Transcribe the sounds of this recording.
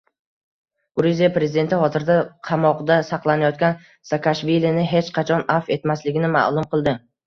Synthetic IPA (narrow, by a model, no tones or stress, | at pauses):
ɡʊɾizijapɾe̞zɪd̪e̞nt̪ʰɪχɒt̪ʰɪɾd̪aqʰɑmɒqd̪asɑqlˠanajɒt̪̚kʲan | sakʰaʃvilinɪɦe̞t͡ʃqʰɑt͡ʃʰɒnafe̞t̪maslɪɡʲɪnɪma̰ʔlˠʊmqʰɨlˠd̪ɪ